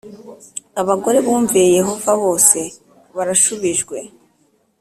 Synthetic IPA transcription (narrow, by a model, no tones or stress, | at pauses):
aβaɡo̞ɾe̞βuːɱvieje̞ɦo̞vaβo̞ːse̞ | βaɾaʃuβiʒɡwe̞